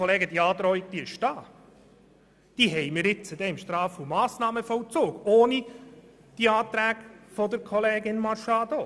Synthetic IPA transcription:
ɔleːɡəd̥̪iɑːd̪ɾɔiɡ̚d̥̪iɪʃd̥ɑː | d̪̥iːɦɛjmɪːɾɪt͡səd̪ɛɪmʃt̪ɾɑːfumɑːsnɑːməfɔwt͡soːɡoːni | d̥iɑːt̪ɾæːɡfɔd̪əɾkʰɔleːɡɪnmɑɾʃɑːd̪o

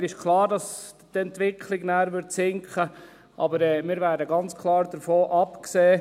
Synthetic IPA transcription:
ɾɪʃkʰlɑːɾdɑstɛntʋɪkʰlɪɡnæːɾʋʏɾtsɪŋkχə | ʔɑ̰bəɾɛːmɪːɾvæːɾdəɡɑnt͡skʰlɑːɾdəɾfoːʔɑpkseː

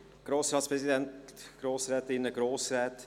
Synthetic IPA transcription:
ɡ̥ɾoːsɾɑːtspɾɛzidɛntɡ̥ɾoːsɾɛːtɪnːəɡɾoːsɾɛːt

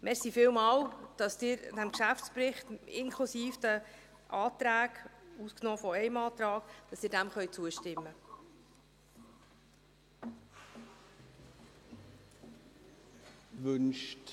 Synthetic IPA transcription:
mʔɛɾsifɪːlmɑːwd̥ɑsd̪̥ɪːɾd̥æmkʃæftspɾɪχt̪ɪnkʰlusiːfd̪̥ə | ʔɑːt̪ɾæːɡusknɔːfɔɛjmɑːt̪ɾɑːkd̥ɑsɪːɾdæmχœɥt͡suəʃtɪmːə | vʏnʃt

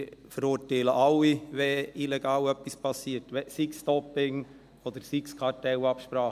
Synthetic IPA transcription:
fəɾuːtɛləʔɑlːiʋɛilɛɡ̥ɑːwœpispʰɑsːiːətʋɛsɪkstɔpɪŋ | od̪əɾsɪkskʰɑɾtɛʊɑpʃpɾɑːχ

